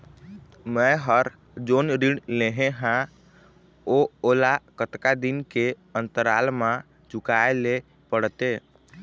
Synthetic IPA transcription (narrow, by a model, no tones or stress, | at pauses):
mɛɦəɾ | d͡ʒoːnɾiɽleɦẽɦã | ooːlakət̪kad̪inke | ənt̪əɾalmã | d͡ʒʊkaele | pəɽt̪e